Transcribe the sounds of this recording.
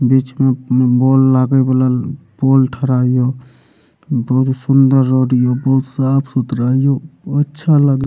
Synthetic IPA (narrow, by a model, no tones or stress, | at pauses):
bit͡ʃmebolːaɡebəla | bolʈʰəɾaijo | bɔɦut̪sund̪əɾːəɾijobəɦut̪sapʰsut̪ɾaijoətːʃʰalaɡ